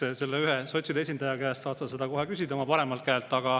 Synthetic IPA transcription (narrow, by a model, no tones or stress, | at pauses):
ese̞lːeyɦeso̞t̪ʲsid̪eesʲind̪ɑjɑkæːst̪sɑːt̪sɑse̞d̪ɑko̞ɦekys̬ʲid̪eo̞mɑpɑɾe̞mɑlt̪̚kæːlt̪ːˑɑɡ̥ɑ